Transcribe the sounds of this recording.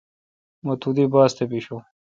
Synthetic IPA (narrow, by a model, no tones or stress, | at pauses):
mɐt̪ʰud̪ibaːst̪ebiɕo